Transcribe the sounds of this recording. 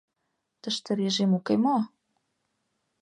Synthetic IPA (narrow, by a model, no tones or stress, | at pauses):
t̪ə̆ʃt̪ə̆ɾeʒemukemo